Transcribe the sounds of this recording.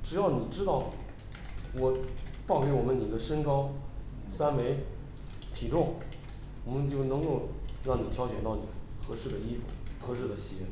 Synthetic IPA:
ʈ͡ʂɻ̩˨˩jɑ˥˩ʊni˨˩ʈ͡ʂɻ̩˥t̪ɑ˥˩ʊ | wɔ˨˩t̪ɑ˥˩ke˧˥ɪwɔ˨˩mə˦ni˨˩d̪ə˦ʂə˥ŋkɑ˥ʊ | sa˥nme˧˥ɪ | t̪ʰi˨˩ʈ͡ʂʊ˥˩ŋ | wɔ˨˩mə˦nt͡ɕjo˥˩ʊnɤ˧˥ŋko˥˧ʊɻɑ˥˩ŋni˨˩t̪ʰjɑ˥ʊɕɥɛ˨˩nt̪ɑ˥˩ʊni˨˩xɤ˧˥ʂɻ̩˥˩d̪ə˩i˥fṵ˨˩xʰɤ˧˥ʂɻ̩˥˩d̪ə˩ɕi˧˥

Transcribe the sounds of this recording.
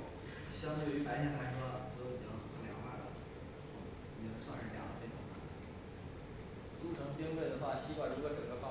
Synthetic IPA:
ɕjɑ˥ŋt̪o˧˥i˥˩pa˥ɕjɛ˥˧nt̪ʰa˥ɪə˥ɔ˥˧˩t̪o˥ʊi˨˩ɑ˥˩˨u˥ljɑ˧˥ŋxwa̰˥˩lə̰˨˩˥ | ni˨˩˥swa˥˧nʂɻ̩˥˩ljɑ̰˨˩ʊə˧˥e˥˩ʈ͡ʂʊ̰˨˩ŋt̪a̰˥˩˨ | t͡su˥ʈ͡ʂʰɤ˧˥ŋpji˥ŋwe˥˩ɪd̪ə˩xwa˥˩ɕi˥kwa˥˩ʈ͡ʂu˥ɡə˥˧˩ʈ͡ʂɤ˨˩ŋɡə˦fɑ˥

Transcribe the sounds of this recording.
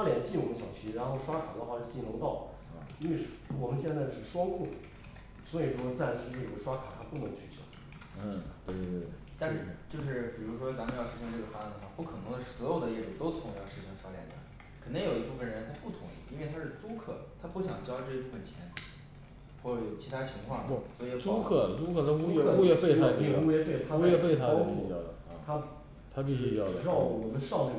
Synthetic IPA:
ʂwa˥ljɛ˨˩nt͡ɕi˥˩wə˧˥ɕjɑ˨˩ŋt͡ɕʰy˥˩ɻa˧˥nxo˥˩ʊʂwa˥kʰa˨˩d̪ə˦xwa˥˧ʂɻ̩˥˧t͡ɕi˥˩nlʊ˧˥t̪ɑ˥˩ʊ | i˥nwe˥˧ɪʂwə˧˥ɕjɛ˥˧nt͡sa˥˧ɪʂɻ̩˥˩ʂwɑ˥ŋkʰu˥˩ | swɔ˧˥i˨˩ʂwɔ˥t͡sa˥˩ɪʂɻ̩˥˧ʈ͡ʂɤ˥˩ɡə˨˩ʂwa˥kʰa˨˩t̪ʰa˥pu˥˩mə˧˥nt͡ɕʰy˥˩t͡ɕɑ̰˥˩˥ | t̪we˥˩e˥˩t̪a˥˧˥ʂ̩˥˩t͡ɕjo˥˧ʊʂ̬ɻ̩˥˩pi˨˩ɻu˧˥ʂwɔ˥t͡sa˧˥mə˧jɑ˥˩ʂɻ̩˧˥ʂɤ˥˧ŋʈ͡ʂɤ˥˩ɡə˩fa˥˧˩d̪ə˧xwa˥˩pu˥˩kʰɤ˨˩nɤ˧˥ŋd̪ə˧ʂɻ̩˥˩swɔ˧˥jo˨˩ʊd̪ə˦jɛ˥˩ʈ͡ʂu˨˩t̪o˥ʊt̪ʰʊ˧˥ŋjɑ˥˩ʊʂɻ̩˧˥ʂɤ˥ŋt͡ɕʰjljɛ̰˨˩nd̪ə˦ | kʰə˨˩nt̪i˥ŋjo˨˩ʊi˧˥pu˥˩fə˩nɻə˧˥˩t̪ʰa˥pu˥˩t̪ʰʊ̰˧˥ŋə˧ʔḭ˥nwe˥˩ɪt̪ʰa˥ʂɻ̩˥˩t͡su˥kʰɤ̰˥˩t̪ʰa˥pu˥˩ɕjɑ˨˩ŋt͡ɕjɑ˥ʊʈ͡ʂɤ˥˧ɕɛ˥pu˥˩ə˨˩nt͡ɕʰjɛ̰˧˥n | xwɔ˥˩ʈ͡ʂə˧˩jo˨˩ʊt͡ɕʰi˧˥t̪ʰa˥t͡ɕʰi˧˥ŋkʰwɑ˥˩ŋ˧swɔ˧˥i˨˩˥ʈ͡ʂu˥kʰɤ˥˩lə˩u˥kʰɤ˥˩t̪ʰa˥u˥˩u˥jɛ˥˧fe˥˧ɪtʰa˥˧˥jɛ˥fe˥˩ɪt̪ʰa˥jɛ˥˧fe˥˩ɪt̪ʰa˥pi˥˩˥jɑ˥˩ʊd̪ə˩˧˩t̪ʰa˥ | t̪ʰa˥p̬i˥˧˩ɕy˥˧t͡ɕjɑ˥˩˧ʊd̪ə˨˩ʂɻwɔ˧˩˨wɔ˨˩mə˧˥nʂɑ˥˧ʊn˥˩

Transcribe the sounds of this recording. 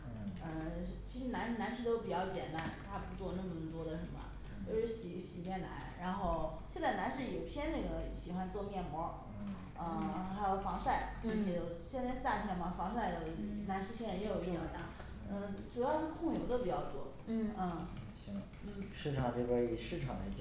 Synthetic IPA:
ə˧˥t͡ɕʰi˧˥ʂɻ̩˧˥na˧˥nna˧˥nʂɻ̩˥˧t̪o˥ʊpi˨˩t͡ɕjɑ˥˩ʊt͡ɕjɛ̰˨˩nt̪a˥nt̪ʰa˥pu˧˥t͡swɔ˥˧nə˥˩mə˩nə˧˩mə˩t̪wɔ˥d̪ə˨ʂə˧˥nmə̰˧ | t͡ɕjjo˥˧ʊʂɻ̩˥˩ɕi˨˩ɕi˨˩t͡ɕjɛ˥˩nna̰˧˥nɻa˧˥nxo˥˧ʊɕjɛ˥˧nt͡sa˥˩ɪna˧˥nʂ̬ɻ̩˥˩jo˨˩ʊt̪ʰjɛ˥nnə˥˩ɡə˩ɕi˨˩xwa˥nt͡swɔ˥˧mjɛ˥˩nmwɔ˧˥ | ə˥˩xa˧˥ɪjo˨˩ʊfɑ˧˥ŋʂa˥˩ɪə˧˥t͡ɕʰɛ˧˥jo˧˩ʊɕjɛ˥˧n˥t͡sa˥˧ɪsa˥˩t̪ʰjɛ˥nmɐ˨fɑ˧˥ŋsa˥˧ɪt̪ə˧˩˧na˧˥nʂɻ̩˥˧ɕjɛ˥˩nɻə˧˥njɛ˧˥jo˨˩i˥˩a˧˩na˧˥n | ə˥˧˩ʈ͡ʂu˨˩jɑ˥˧ʊʂɻ̩˥˧kʰʊ˥˩ŋjo˧˥ʊd̪ə˧pt͡ɕjɑ˥˧ʊt͡swɔ˥˩˥ | ə˥˩˥ | n̩˥˩ʂɻ̩˥˩ʈ͡ʂʰɑ˨˩ŋle˥bə˧˥i˨˩ʂɻ̩˥˩ʈ͡ʂʰɑ̰˨˩ŋə̰˧˥ɪt͡ɕ

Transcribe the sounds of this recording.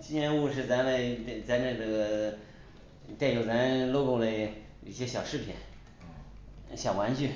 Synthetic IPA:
t͡ɕi˥˧ɛ˧˥nu˥˧ʂɻ̩˥˩t͡sa˧˥nle˧˥˧ɪ˧˩t͡sa˥˧ɪna˥˩ɡə˥˩ɡə˩ | t̪a˥˩njo˧˩ʊt͡sa˧˥nlo˥˧ʊko˥˧ʊlə˥˧˩ɪ | ḭ˥˩ɕjɛ˥˩ɕjɑ˨˩ʊʂɻ̩˥˩pʰḭ˨˩˦n | ɕjɑ˨˩ʊwa˧˥nt͡ɕy˥˩

